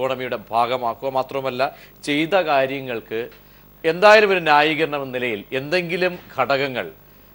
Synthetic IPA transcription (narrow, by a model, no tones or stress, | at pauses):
oːɳɐmijuɽe̞bʱaːɡɐmaːkːuɣɐmaːt̪rɐmɐlːɐt͡ɕe̞jt̪ɐkaːɾjɐŋːɐɭkɨ | e̞nd̪aːjɐlumo̞ɾunaːjiɣɐɾɐɳɐmnilɐjile̞nd̪e̞ŋɡilumɡʱɐɽɐɣɐŋːɐ̰ɭ